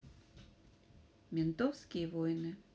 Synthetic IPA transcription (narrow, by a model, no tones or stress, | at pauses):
mʲent̪owskʲivojnɨ